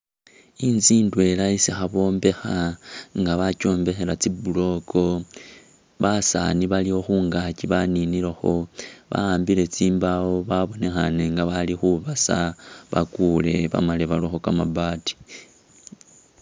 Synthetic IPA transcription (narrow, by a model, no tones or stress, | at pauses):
inziːndwe̞laisixaβo̞ːmbe̞xaŋɡaβaco̞ːmbe̞xe̞lat͡sibulo̞kʰo̞ | βasa̰niβaliho̞xuːŋɡaciβaninilaxo̞βa̰aːmbile̞t͡siːmbawoβaβo̞ne̞xane̞ŋɡaβalixuβasaβakule̞βa̰maleβalwoxo̞kamabati̥